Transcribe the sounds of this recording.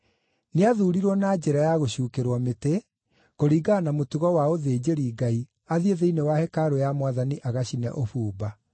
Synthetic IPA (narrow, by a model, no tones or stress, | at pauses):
neaðuɾiɾwɔnaːd͡ʑɛɾajaɣoɕuːkeɾwɔmete | koɾiːɡanamotuɣɔwaoðed͡ʑeɾiːɡai | aðieðeinewahɛkaɾojamwaðaniʔaɣaɕinɛ̰ʔofuːba